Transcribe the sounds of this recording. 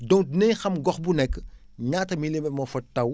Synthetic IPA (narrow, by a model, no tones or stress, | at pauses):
dɔŋdnɛjxɐmɡɔxbunɛkːə | ɲaːtɐmilemɛmɔfɐtɐw